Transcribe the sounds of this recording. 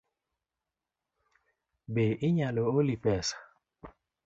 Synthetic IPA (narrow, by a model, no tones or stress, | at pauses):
beʔiɲaloolipɛsḁ